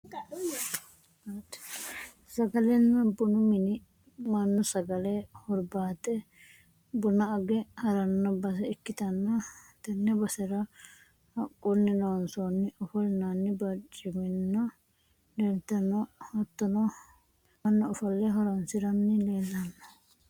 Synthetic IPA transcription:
t̪ | sɐɡɐlɛnːɐbʊnʊmɪnɪ | mɐnːɔsɐɡɐlɛhɔɾbaːt̪ʼɛ | bʊnɐɐɡɛhɐɾɐnːɐbɐsɛɪkːɪt̪ɐnːɐt̪ɐnːɛbɐsɛɾɐ | hɐkʼːunːɪnɐwɐnsonːɪɔfɔlnanːɪbɐt͡ʃʼːɪmɪnːɐ | lelt̪ːɐnɐhɐt̪ːɐnɔ | ɐnːɔːfɐlːɛɦɔɾɐnsɪɾɐnːɪleːlːɐnːɐ̥

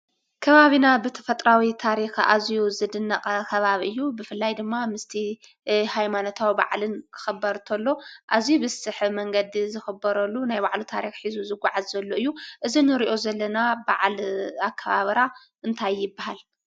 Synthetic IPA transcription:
kʰɐβaβinabɨt̪ʰɐ̥fɐt̪ʼɾawit̪ʰaɾixa̰zijuzɨd̪ɨnːɐqʼɐkʰɐβaβʔɨjːubɨfɨlːajd̪ɨmːamɨst̪ʰi | hajmanot̪ʰawiba̰ʕlɨnkʰɨ̥xɐbːɐɾt̪ʰɐlːo̞ʔazijubɨsɨħmɐŋɡɐd̪izɨxɨbːɐɾɐlːunajbaʕlut̪ʰaɾixħizuzɨɡʷaʕazːɐlːoʔɨjːuʔɨzinɨɾiʔo̞zɐlːɐnabaʕlakʰːɐβa̰βɐɾa | ʔɨnt̪ʰajːɪbːaɦal

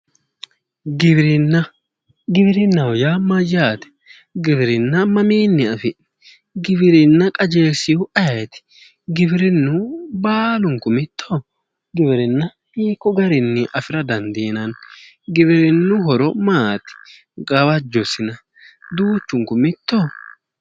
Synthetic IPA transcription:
ɡɪbɾɪnːɐ | ɡɪbɪɾɪnːɐwɔjamɐjːaːt̪ɛ̥ | ɡɪbɪɾɪnːɐmɐmiːnːɪɐfɪ̥ | ɡɪbɪɾɪnːɐkʼɐd͡ʒeːsɪjʊʔɐjɛt̪ɪ̥ | ɡɪbɪɾɪnːʊbaːlʊŋkʊmɪt̪ʰːo | ɡɪbɪɾɪnːɐ | hiːkːɔɡɐɾɪnːɪʔɐfɪɾɐd̪ɐnd̪eːnɐn | ɡɪbɪɾɪnːʊhɔɾɔmaːt̪ɪ̥ | ɡɐβɐd͡ʒːɔsɪnɐ | d̪uːt͡ʃːʊŋkʊmɪt̪ʰːoː

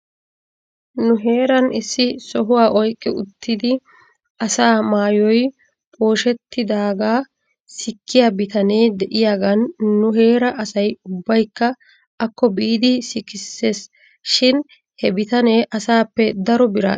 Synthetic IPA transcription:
nʊɦe̞ːɾɐnɪsːɪsɔɦʊwaːʔɔjkʼːɪʊt̪ʰːɪd̪ɪ | ɐsaːmaːjɔj | pʼo̞ːʃɛt̪ːɪd̪aːɡaː | sɪkːɪjaːbɪt̪ɐneːd̪ɛʔɪjaːɡɐnːʊɦe̞ːɾɐʔɐsɐjʊbːɐjkːɐ | ʔɐkːɔbiːd̪ɪsɪkɪsːe̞ːs | ʃɪn | hɛbɪt̪ɐneːʔɐsaːpːɛd̪ɐɾɔbɪɾa̰ː

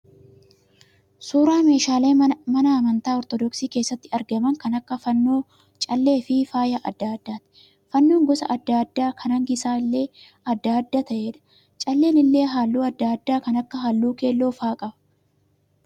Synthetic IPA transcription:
suːɾaːme̞ːʃaːle̞ːmɐnɐːmɐnt̪aːɔɾt̪ɔd̪ɔksiːke̞ːsːɐt̪ːɪɐɾɡɐmɐŋkɐnɐkːɐfɐnːoː | t͡ʃʼɐlːe̞ːfɪfaːjɐʔɐ̰d̪ːaːɐd̪ːaːt̪ɪ̥ | fɐnːoːŋɡɔsɐ̰ʔɐd̪ːaɐd̪ːaːkʰɐnɐŋɡɪsaːɪlːe̞ː | ɐd̪ːaːd̪ːaːt̪ɐʔe̞ːᶑɐ̥ | t͡ʃʼɐlːe̞ːnɪlːe̞ːɦaːlːuːɐd̪ːaɐd̪ːaːkɐnɐkːɐɦalːuːke̞ːlːo̞ːfaːkʼɐbɐ̥

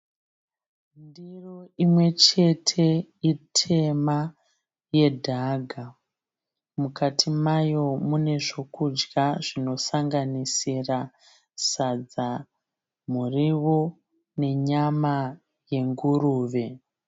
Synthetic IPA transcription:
ndiro̞ʔimwe̞t͡ʃe̞tʰe̞itʰe̞ma | je̞dʱaɡʱa | mukatʰimajo̞mune̞ʐo̞kud͡ʒɡaʐino̞saŋɡanisira | sad͡za | muriwo̞ | ne̞ɲama | je̞ŋɡuruːʋe̞

